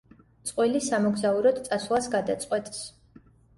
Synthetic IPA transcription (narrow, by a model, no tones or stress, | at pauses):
t̪sʼqʼwilisamɔɡzauɾɔd̪t̪sʼaswlˠasɡad̪at̪sʼqʼwɛt̪ʼs